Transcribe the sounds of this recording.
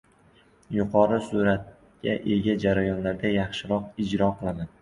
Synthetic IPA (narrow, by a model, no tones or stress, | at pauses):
jʊqʰɒɾɪsuɾat̪̚ | kʲaʔe̞ɡʲad͡ʒaɾajɒnlaɾd̪ajɑχʃɪɾɒqɪd͡ʒɾɒqʰɨlˠaman